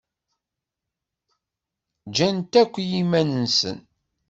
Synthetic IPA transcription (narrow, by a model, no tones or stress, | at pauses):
d͡ʒænt̪ækʷːjimænənsə̰n